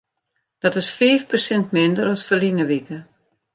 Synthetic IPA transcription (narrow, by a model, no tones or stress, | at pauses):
d̥ɔtɪsfeːfpərsɪntmɪndəɾɔsfəlinəʋikə